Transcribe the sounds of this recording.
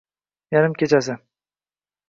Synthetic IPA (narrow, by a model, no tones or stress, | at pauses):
jaɾɪmkʲʰe̞t͡ʃas̬ɪ